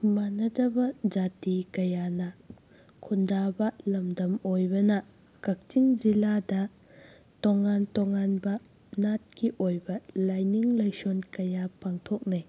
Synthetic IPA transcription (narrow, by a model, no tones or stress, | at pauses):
manɐdɐbɐd͡ʒatikɐjanɐ | kʰundabɐlɐmdɐmojbɐnɐ | kɐk̚t͡ʃiŋd͡ʒiladɐ | toŋantoŋanbɐ | nat̚kiʔojbɐlajniŋlɐjsonkɐjapaŋtʰok̚naj